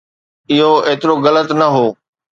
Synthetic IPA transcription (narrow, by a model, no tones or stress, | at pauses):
ɪɦoeːt̪ɪɾoɣɐlət̪nɐɦoː